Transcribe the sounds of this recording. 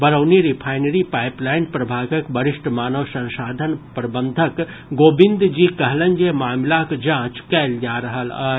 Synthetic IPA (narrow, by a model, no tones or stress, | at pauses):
bɐɾəwniɾipʰaːɪnəɾipaːɪplaːɪnpɾɐbʱaːɡəkbɐɾɪʃʈmaːnəʋsɐ̃nʃaːd̪ʱənpɾɐbə̃nd̪ʱək | ɡoːbɪ̃nd̪d͡ʒiːkɐɦlə̃ɲd͡ʒemaːmlakd͡ʒãːt͡ʃkɛːld͡ʒaːɾɐɦəla̰ː